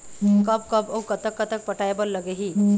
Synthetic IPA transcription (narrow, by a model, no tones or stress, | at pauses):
kəbkəbəwkət̪əkːət̪ək̚pəʈajbəɾləɡeɦiː